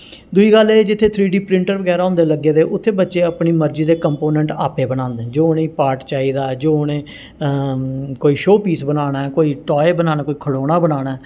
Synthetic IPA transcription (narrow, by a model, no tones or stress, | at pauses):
d̪ʊiːɡəleːd͡ʒɪt̪ʰːeːt̪ʰɾiːɖiːpɾɪ̃ɳʈəɾbəɡɛːɾaːõːnd̪eːləɡːeːd̪eːʔʊt̪ʰːeːbətːʃeːəpniːməɾd͡ʒiːd̪eːkəmpoːnɛ̃ɳʈaːpeːbəñãːnd̪ẽːd͡ʒoːnẽiːpaːɾʈt͡ʃaːiːd̪aːd͡ʒoːnẽː | koːiːʃoːpiːsbənaːɽaːɛkoːiːʈɔːeːbənaːnãːkoːiːkʰəɽoːɽaːbənaːɽaːɛ